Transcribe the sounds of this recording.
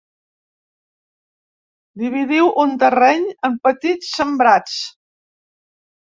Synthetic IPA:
d̪iβ̞iðiwʔunt̪ərɛɲəmpət̪it͡sːəmbɾat͡s

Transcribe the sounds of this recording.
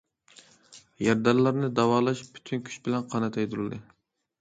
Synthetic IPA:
jæɾd̪ɑɾlˠɑɾnɨd̪ɑwɑːlˠɑʃpʰy̥t̪ʰynkʲʰy̥t͡ʃbɪlɛnqʰɑnɨt̪ʰɛjd̪uɾld̪ɨ

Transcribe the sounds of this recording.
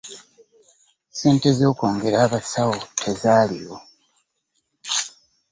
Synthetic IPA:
se̞ːnte̞zo̞ːko̞ːŋɡe̞ɾaːβasawotʰezaːlijo

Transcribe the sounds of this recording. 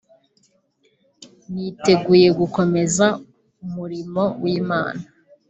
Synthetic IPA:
nite̞ɡuːje̞ɡuko̞me̞za | umuɾimo̞wiːma̰ːna

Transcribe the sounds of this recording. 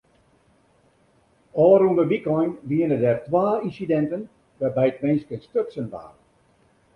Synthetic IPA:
ɔːɾundəʋikɔjnʋiənədɛrtʋaːinsidɛntən | ʋɛbɛjətmɪnskənstøksənʋa̰ːr

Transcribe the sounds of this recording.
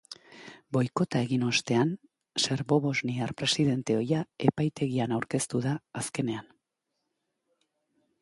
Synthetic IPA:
bo̞jko̞t̪ae̞ɣino̞st̪e̞an | se̞ɾβo̞βo̞zniaɾpɾe̞siðe̞nt̪e̞o̞jae̞pajt̪e̞ɣianawɾke̞st̪uðaːske̞ne̞an

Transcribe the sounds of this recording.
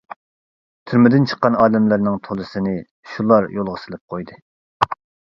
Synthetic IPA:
t̪ʰyɾmɪd̪ɪnt͡ʃʰə̥qːɑnɑːd̪ɛmlæɾnɪŋt̪ʰolˠɨsɨnɨ | ʃulˠɑɾjolˠʁəsɨlˠɨp̚qʰojd̪ɨ

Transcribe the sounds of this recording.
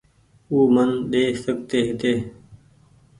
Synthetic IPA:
uːmənɗeːsək̚t̪eːɦɪt̪eː

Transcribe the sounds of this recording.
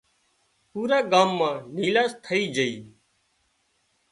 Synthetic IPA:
puːɾaːɡaːmːãːniːlaːst̪ʰəiːd͡ʒəiː

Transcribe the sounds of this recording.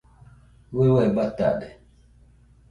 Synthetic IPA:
wewɛbata̰ɗɛ

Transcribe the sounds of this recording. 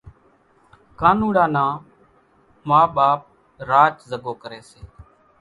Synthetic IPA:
kaːnũːɽãːnãː | maːɓaːp̚ | ɾaːt͡ʃzəɡoːkəɾeːseː

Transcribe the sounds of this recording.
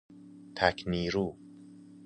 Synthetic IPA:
t̪ʰækʰniːɾuː

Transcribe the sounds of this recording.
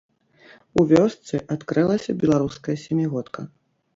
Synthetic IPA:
uvʲɔst̪sɨʔat̪kɾɨlˠɐsʲɐbʲɛlˠaɾuskɐjɐsʲɛmʲiɣɔt̪kʰɐ

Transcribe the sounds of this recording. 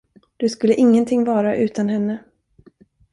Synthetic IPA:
d̪̥ɵskɵlːəʔɪŋːənt̪ʰɪŋːvɑːɾaʔʉ̟ːt̪ʰanɦɛnːə

